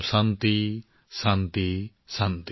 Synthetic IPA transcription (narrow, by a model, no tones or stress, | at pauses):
sant̪i | sant̪i | sant̪